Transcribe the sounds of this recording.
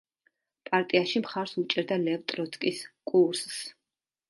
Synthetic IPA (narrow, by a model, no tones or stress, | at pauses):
pʼaɾt̪ʼiaʃimχaɾsut͡ʃʼɛɾd̪alɛvt̪ʼɾɔt̪sʼkʼiskʼuɾss